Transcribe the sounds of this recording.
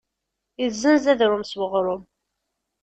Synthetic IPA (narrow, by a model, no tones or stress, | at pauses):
izːənzæðɾʊmswəʁɾˤʊm